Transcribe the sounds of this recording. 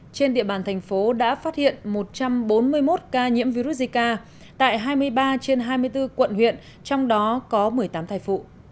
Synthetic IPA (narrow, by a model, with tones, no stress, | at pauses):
t͡ɕe˧nɗḭ˧˨əɓaː˨˩nt̪ʰɛ˨˩ŋ̟fo˨˦ɗa̰ː˧˥faː˦˥t̚hḭ˧˨ənmo˨˩t̚t͡ɕa˧mɓo˨˦nmɨ˧əjmo˦˥t̚kaː˧ɲḭ˧˥əmvi˧ɾu˦˥t̚zi˧kaː˧ | t̪a̰ː˧˨jɦaː˧jmɨ˧əjɓaː˧t͡ɕe˧nɦaː˧jmɨ˧əjt̪ɨ˧kwə̰˧˨nɦwḭ˧˨ən | t͡ɕɔ˧wŋ͡mɗɔ˨˦kɔ˨˦mɨ˨˩əjt̪aː˨˦mt̪ʰaː˧˩jfṵ˧˨